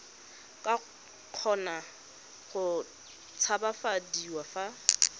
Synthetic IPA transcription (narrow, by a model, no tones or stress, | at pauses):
kʼa | q͡χʰɔna | χʊ | t͡sʰabafadiwafa